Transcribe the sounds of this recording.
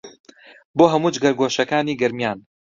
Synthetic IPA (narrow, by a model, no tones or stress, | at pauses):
boːɦɐmuːd͡ʒɡɐɾɡoːʃɐkaːniːɡɐɾmjaːn